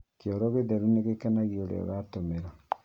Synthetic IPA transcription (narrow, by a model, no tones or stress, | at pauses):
kjɔɾoɣeðeɾuneɣekanaɣioɾḛa̰ɣatomeɾa